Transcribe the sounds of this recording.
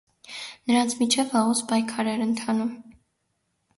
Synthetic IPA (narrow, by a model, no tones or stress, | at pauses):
nəɾɑnt͡sʰmit͡ʃʰɛvɑʁuspɑjkʰɑɾɛɾənt̪ʰɑnum